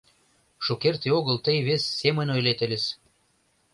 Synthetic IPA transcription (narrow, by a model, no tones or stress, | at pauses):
ʃokert̪eoɣəlt̪əjβesːemə̆nojlet̪elʲes